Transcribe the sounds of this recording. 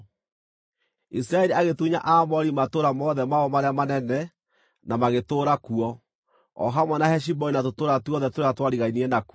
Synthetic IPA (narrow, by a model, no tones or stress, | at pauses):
isiɾaɛɾiaɣetuɲaʔamɔɾimatoɾamɔðɛmaɔmaɾeamanɛnɛ | namaɣetoːɾakuɔ | ɔ̰ɦamwɛnahɛʃ̬ibɔinatotoːɾatuɔðɛtoɾeatwaɾiɣainiɛnak